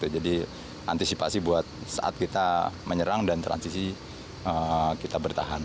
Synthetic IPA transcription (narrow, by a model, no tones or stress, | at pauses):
t̪ud͡ʒadi | ʔant̪isipasibuat̪̚sa̰ʔa̰t̪̚kit̪aməɲəɾaŋdant̪ɾa̰nsisi | əkit̪abərt̪a̰ɦan